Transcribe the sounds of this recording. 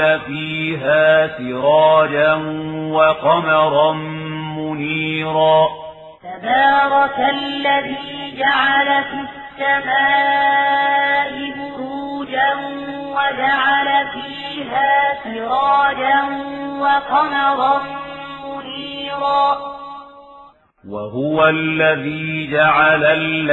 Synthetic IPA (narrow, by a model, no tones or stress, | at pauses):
afiːɦaːsɪɾˤɑːd͡ʒanwɑqɑmɑɾˤɑnmʊniːɾaː | t̪abɑːɾˤɑkalːaðiːd͡ʒaʕalafisːamaː | ʔɪbʊɾuːd͡ʒan | wad͡ʒaʕalafiːɦaːfɪɾˤɑːd͡ʒanwɑqɑmɑɾˤɑnmʊniːɾaː | waɦʊwalːaðiːd͡ʒaʕalalː